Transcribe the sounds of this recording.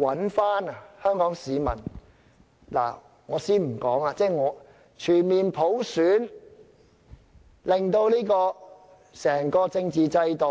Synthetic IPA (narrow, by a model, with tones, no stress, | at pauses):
wɐ˨˥nfaː˥na˨hœː˥ŋkɔː˨˥ŋsiː˨˧mɐ̰˨˩n | la̰ː˨˩ | ŋɔː˨˧siː˥nm̩˨˩kɔː˨˥ŋa˧t͡sɛː˥ŋɔː˨˧ | t͡ʃʰyː˨˩nmiː˨npʰo˨˥wsyː˨˥n | lɪ˨˩ŋt̪o˧wliː˥kɔː˧ | sɛː˨˩ŋkɔː˧t͡sɪ˧ŋt͡siː˨t͡sɐ˧jt̪o˨